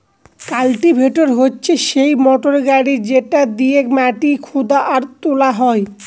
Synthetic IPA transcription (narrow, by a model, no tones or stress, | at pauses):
kalʈibʱeʈoɾɦotːɕʰeʃejmɔʈoɾɡaɽid͡ʑeʈad̪iekmɛʈikʰod̪aʔaɾt̪olaɦɔe